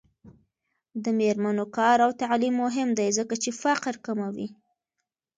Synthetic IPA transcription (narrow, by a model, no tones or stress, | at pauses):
d̪əmeɾmanokɑɾawt̪aʕlimːʊɦɪmd̪ajzəkat͡ʃefaqɾkamawi